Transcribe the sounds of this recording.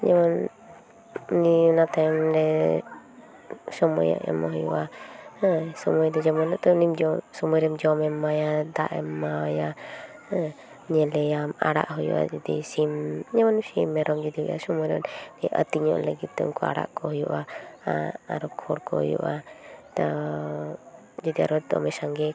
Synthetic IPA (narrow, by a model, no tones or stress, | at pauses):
ɲɛmɔn | ninat̪amɾɛ | sɔmɔ̰ja̰ʔɛ̰maɦɔjṵʔa | sɔmɔjd̪ɔd͡ʒɔmɔnɔʔt̪ɔnimd͡ʒɔsɔmɔjɾɛmd͡ʒɔmɛmːajad̪aʔɛmːaja | ɲɛlɛjama̰ɽa̰ʔɦujṵʔa̰d͡ʒɔd̪ḭsimɲɛmɔnsimːɛɾɔmd͡ʒɔd̪iɦuja̰sɔmɔjɾɛnniʔə̰t̪iɲɔ̰ʔləɡit̪̚t̪ɔṵmkɔa̰ɽa̰ʔkɔɦɔjuʔa | a̰ɾɔkʰɔɽkɔhɔjṵʔat̪a | d͡ʒɔd̪ia̰ɾɔd̪ɔ̰mɛsaŋɡɛ